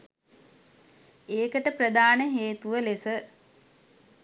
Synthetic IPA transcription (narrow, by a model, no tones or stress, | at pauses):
eːkəʈəprəd̪aːnəɦeːt̪uʋəlesə